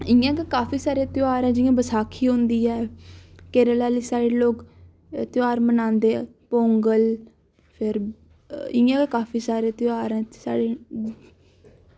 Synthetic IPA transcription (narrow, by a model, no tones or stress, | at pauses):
ɪ̃ãːkekaːfiːsaːɾeːt̪ɪaːɾɛ̃ːd͡ʒɪːãːbəsaːkʰiːɦõːnd̪iːɛːkeːɾəlaːliːsaːɽeːloːk | t̪ɪaːɾmənãːnd̪eː | põːŋɡəl | pʰɪɾ | ɪ̃ːãːkekaːpʰiːsaːɾeːt̪ɪaːɾɛ̃ːsa̰ːɽeː